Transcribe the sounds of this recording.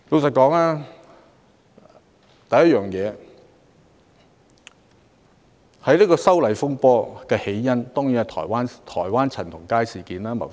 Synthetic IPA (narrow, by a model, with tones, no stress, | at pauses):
lo˨˧wsɐ˨t̚kɔː˨˥ŋlaː˥ | t̪ɐ˨˧jɐ˥t̚jœː˨ŋjɛː˨˧ | hɐ˨jliː˥kɔː˧sɐ˥wlɐ˨˩jfʊ˥ŋpɔː˧kɛː˧he˨˥jjɐ˥nt̪ɔː˥ŋjiː˨˥nɐ˨t̪ʰɔ̰ː˨˩jwaː˥nt̪ʰɔː˨˩jwaː˥nt͡sʰɐ˨˩nt̪ʰʊ˨˩ŋkaː˥jsiː˨˩kiː˨˦naː˥mɐ̰˨˩